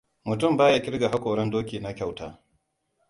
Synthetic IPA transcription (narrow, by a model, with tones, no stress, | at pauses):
mʊ˨tʊ˦˨mbaː˦ja˦kʲɪ˦ɾɡa˨ɦa˦kʷoː˨ɽɐ˦ndoː˦kʲiː˨na˦kʲa˦˨wta̰ː˦